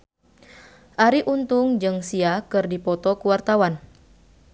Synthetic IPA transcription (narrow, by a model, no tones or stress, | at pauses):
ʔaɾiʔunt̪ʊŋd͡ʒɨŋsiakɨrdipɔt̪ɔkuwart̪awan